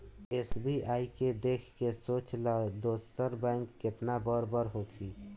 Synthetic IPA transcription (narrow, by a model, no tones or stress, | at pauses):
eːsbʱiʔaːiked̪eːkʰkesoːt͡ʃlad̪oːsəɾbɛ̃ːŋkːɪt̪nabɔɾbəɾɦoːkʰi